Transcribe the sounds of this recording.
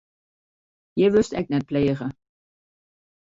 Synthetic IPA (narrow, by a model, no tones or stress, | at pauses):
jəʋɵstɛk̚tnɛt̚pleːχə